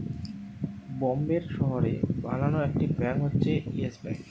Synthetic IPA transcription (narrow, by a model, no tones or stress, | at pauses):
bombeɾʃɔɦoɾḛbalanoek̚ʈikɾɛmɦotːɕʰeiesbɛ̰k